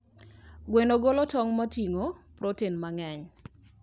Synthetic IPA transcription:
ɡwenoɡolɔtɔŋmatiŋopɾotenmaŋɛɲ

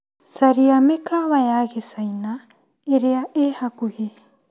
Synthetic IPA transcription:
saɾiamekaβajaɣesajna | eɾeaʔehakuɣe

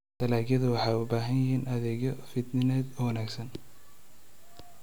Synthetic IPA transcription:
d̪̥ɐlaːɡjɐðʊwɑħɑjʊbaːɦɐnjɪɦiːnʔɐðɛːɣjɔfɪd̪nɪnɛːd̪wɐnaːɡsɐn

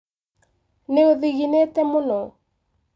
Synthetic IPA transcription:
neoðiɣinet̪ɛmʊnɔ

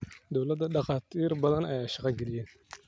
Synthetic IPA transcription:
d̪ɔwlɐd̪ːɐɖɑqɑːt̪ʰiːrbɐðɐnɛjaʃɑqɑɡɛlɪjɛn

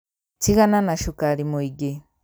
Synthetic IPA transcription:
t͡siɣananaʃukaɾimuiɡe

